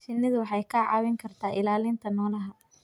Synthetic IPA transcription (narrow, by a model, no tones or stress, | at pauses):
ʃɪnɐðʊwħɑjkʰɐʕɑ̰wɪŋkʰɐrt̪ʰaːʔɪlaːlɪnt̪ʰɐnɔːlɐɦɐ